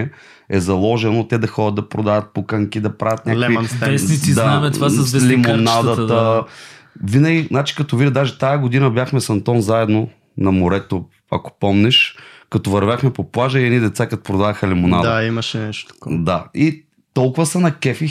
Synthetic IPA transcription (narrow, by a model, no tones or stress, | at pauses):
ɛ | ɛzɐlˠɔʒɛnot̪ɛd̪ɐxɔd̪ʲɐd̪d̪ɐpɾod̪avʲɐt̪̚pokɐŋkid̪ɐpɾavʲɐt̪nʲalɛvinɛit̪izd̪aavɛt̪vazvɛlimonad̪ɐt̪ə | vinəɡʲiznat͡ʃi̥kɐt̪ɔvid̪ʲɐd̪aʒɛt̪ajɐɡod̪inɐbʲjaxmɛsɐnt̪ɔnzaɛd̪no | nɐmoɾɛt̪o | ɐ̰ko̥pɔmnɛʃkɐt̪ɔvɐɾvʲjaxmɛpoplˠaʒəiɛd̪nid̪ɛt̪sakɐt̪ɔ̥pɾod̪avɐxɐlɛmonad̪imɐʃɛnɛʃt̪o̥t̪kd̪ai | t̪ɔlˠkʊvɐsɐnɐkɛfi